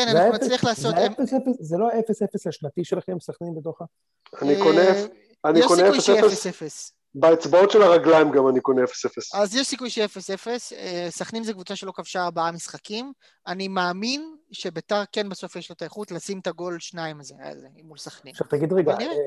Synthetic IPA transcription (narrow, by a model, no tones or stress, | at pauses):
kenanimasliaχlaːsot̪emesefeszeloaefesefeslaʃnat̪iʃelaχemsaχnimbet̪oχa | anikone | anikoneujesʃeefefessefes | baet͡sbao̞tʃelaʁaɡlaimɡamanikoneefesefesazjeʃsikujʃelefesefesesaχnimzekvut͡saʃelo̞kavʃaːʁbaamisχakim | animaːminʃe̞betaʁkenbaso̞fjeʃlot̪aeχut̪lasimt̪aɡo̞lʃnaimazea̰lzemulsaχniʃat̪aɡid̪ʁeɡani